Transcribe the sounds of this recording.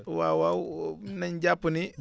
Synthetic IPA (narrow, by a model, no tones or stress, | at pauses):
wawawnaɲɟapːuni